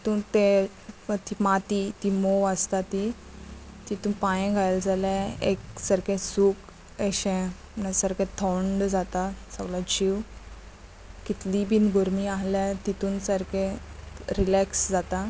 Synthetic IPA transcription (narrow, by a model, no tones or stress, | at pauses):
it̪ũːnt̪e | t̪imat̪it̪imoʋəst̪at̪i | t̪it̪uːnpajẽɡʱajld͡zʱalɛeksəɾkẽsuːk | eɕẽ | nasəɾkẽt̪ʰɔɳɖd͡zat̪asəɡlad͡ʑiw | kit̪libiːnɡoɾmiaɦlɛ̃t̪it̪uːnsəɾkẽɾilɛksd͡zat̪a